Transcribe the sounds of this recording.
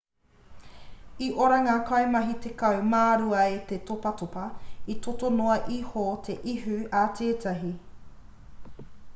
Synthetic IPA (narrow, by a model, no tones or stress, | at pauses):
iʔoɾɐŋaːkɐemɐɦitekɐwmaːɾuɐet̪etopɐtopɐitotonoɐʔihotʰe̞ʔiɦʉatʰeːtʰɐɦi